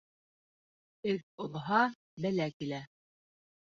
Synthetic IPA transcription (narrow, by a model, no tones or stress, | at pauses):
ɘk̚ŏlˠɦɑ | bælækilæ